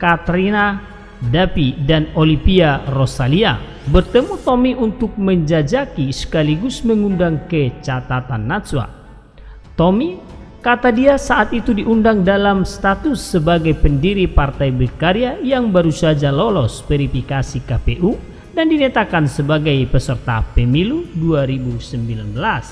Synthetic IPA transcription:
kat̪ɾina | dapidanolipiarosalia | bərt̪əmut̪omiʔunt̪ʊk̚məɲd͡ʒad͡ʒakisə̥kaliɡusməŋundaŋkət͡ʃat̪at̪anːaswa̰ | t̪omi | kat̪adiasaʔat̪it̪udiʔundaŋdalamst̪at̪usːəbaɡajpəndiɾipart̪ajbulkaɾiajaŋbaɾusad͡ʒalolɔsbɛɾifikasikapeʔu | dandinat̪akansəbaɡajpəsərt̪a̰pəmiluduaɾibusəmbilanbəlas

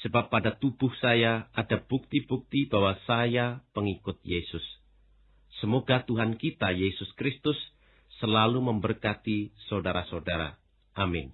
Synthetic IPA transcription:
səbapːadat̪ub̥ʊhsajaadab̥uk̚t̪ibuk̚t̪ibawasajapəŋikʊt̪̚jesʊsː | əmoɡat̪uɦankit̪ajesʊskɾɪst̪ʊsː | əlaluməmbərkat̪isaodaɾasaodaɾa̰ | ʔamɪn

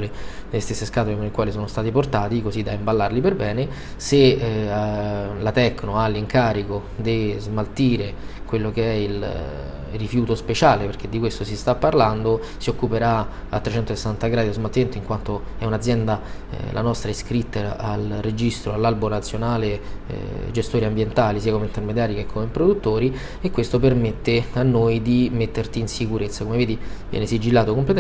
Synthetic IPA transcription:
le | d̪elːest̪esːeskaːt̪olemonikwaːlisoːnost̪aːt̪iport̪aːt̪ikozid̪ːaimbalːarliperbɛːne | se | lat̪ɛkːnoalːiŋkaːɾiko | d̪ezmalt̪iːɾekwelːokeɛil | rːifjuːt̪ospet͡ʃaːleperk̟ed̪ːikwest̪osist̪apːarland̪o | siokːupeɾa | a̰t̪ːɾet͡ʃɛnt̪ose̥sːant̪aɡɾaːd̪iozmalt̪iment̪oiŋkwant̪oɛunad̪zːjɛnd̪a | lʔa̰nɔst̪ɾaiskɾit̪ːealrːed͡ʒist̪ɾoalːalbonat̪sːjonaːlḛ | d͡ʒest̪oːɾiambjent̪aːlisiːakomeint̪ermed̪jaːɾikekʰːomepɾod̪ut̪ːoːɾi | ekːwest̪opermet̪ːeanːojd̪imet̪ːert̪iːnsikuɾet̪sːakomeveːd̪ivjɛ̰nesid͡ʒilːaːt̪okomplet̪

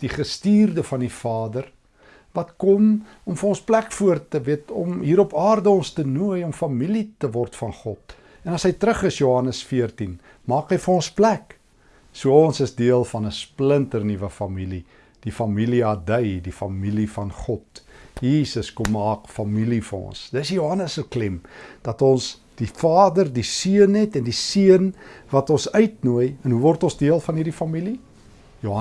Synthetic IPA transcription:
d̥iχəstiːrdəfɐnifɑːdər | vɐtkɔm | ɔmfənɔ̃nsplækfuərtːəviətɔmɦiːɾɔpɑːrdəɔnstənuəjɔmfɐmilitəvɔrtfɐnχɔt̚ | ɛnɐsɦəjtɾəχəsjuɦɐnəsfiərtin | mɑːkɦəjfəɔ̃nsplæk | suəɔnsəsdiəlˠfɐnəspləntərnivəfɐmili | d̥ifɐmiliɐdəjdifɐmilifɐnχɔtjiːsəskɔmːɑːkfɐmilifərɔ̰nsdəsjuɦɐnəsəklɛmd̥ɐtɔns | d̥ifɑːdərdisiənɦɛtɛndisiənvɐtɔnsœɥtnuəjənɦuvɔrtɔnsdiəlˠfɐnɦirdifɐmili | joɦ

